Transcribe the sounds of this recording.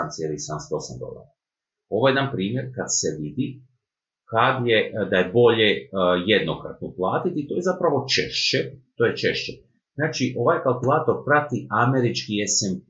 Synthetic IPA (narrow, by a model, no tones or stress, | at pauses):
amsjeɾisamst̪osa̰mɡ̪o̰la̰ɾa | o̞ʋo̞jed̪anpɾiːmje̞ɾkad̪seʋid̪i | kad̪jed̪aje̞bo̞ʎejed̪nokɾa̰t̪̚noplˠaːt̪it̪it̪o̞jezapɾaʋo̞t͡ʃeʃt͡ɕet̪oːjet͡ʃe̞ʃt͡ɕe | znaːt͡ʃiʔo̞ʋajkalˠkulˠaːt̪o̞ɾpɾat̪iame̞ɾit͡ʃkiesem